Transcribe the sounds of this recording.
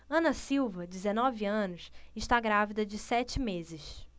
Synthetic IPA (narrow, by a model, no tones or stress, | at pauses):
ɐ̃nɐsiwvɐd͡ʒɪzenɔviɐ̃nʊsɪʃt̪aɡɾavid̪ɐd͡ʒɪsɛt͡ʃɪmezɪʃ